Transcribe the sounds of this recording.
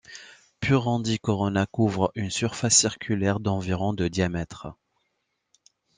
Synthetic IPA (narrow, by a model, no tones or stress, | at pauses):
pyʁɑ̃d̪ikɔʁɔnakuvʁəynsyʁfasːiʁkʲʰylɛʁd̪ɑ̃viʁɔ̃d̪əd̪jamɛt̪χə